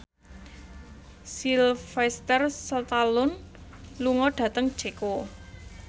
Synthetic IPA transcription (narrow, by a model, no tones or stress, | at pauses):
silfɛst̪ərsət̪alʊnluŋɔɖ̥ä̤t̪əŋd̥ʒ̥eko